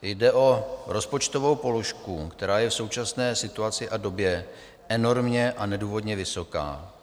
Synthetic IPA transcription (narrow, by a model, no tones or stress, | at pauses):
jdɛʔo̞ɾo̞spo̞t͡ʃt̪o̞vo̞wpo̞lo̞ʃkukt̪ɛɾaːjɛfso̞wt͡ʃasnɛːsɪt̪uat͡sɪʔado̞bjɛ | ɛno̞ɾmɲɛʔanɛduːvo̞dɲɛvɪso̞ka̰ː